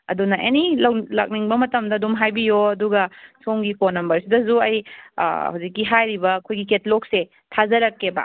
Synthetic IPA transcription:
ɐ̰dunɐʔenilɐwlɐ̰k̚niŋbɐmɐtɐmdɐːdumɦajbijoɐduɡɐsoŋɡikonɐmbɐɾsidɐsuɐj̰ | hawzikːiɦajɾibɐkʰojɡiketlok̚se | tʰazɐɾɐkːeba̰

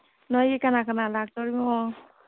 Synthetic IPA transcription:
nɔjekanakanalaɡ̚tɔɹimɔ

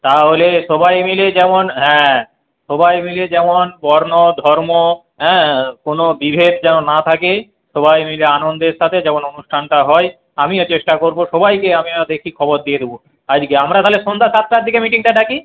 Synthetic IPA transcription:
t̪aɦoleʃɔbajmiled͡ʑɛmonɦɛ̃ | ʃɔbajmiled͡ʑɛmonbɔɾnod̪ʱɔɾmo | ɦɛ̃konobibʱed̪d͡ʑɛnonat̪ʰake | ʃɔbajmileanond̪eɾʃat̪ʰed͡ʑɛmononuʃʈʰanʈaɦɔe | amiot͡ɕeʃʈakoɾboʃɔbajkeamiad̪ekʰikʰɔboɾd̪ijed̪ʱebo | ad͡ʑkeamɾat̪aɦoleʃond̪ʱaʃat̪ːɾaɾd̪ʱikemiʈiŋʈaɖaki

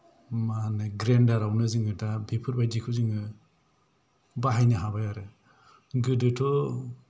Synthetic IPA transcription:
maneɡɾendaɾawnɯzɯŋɯtabipʰɯɾbajdikʰɯzɯŋɯ | baɦajnaɦabajaɾɯ | ɡɯdɯtʰɔ

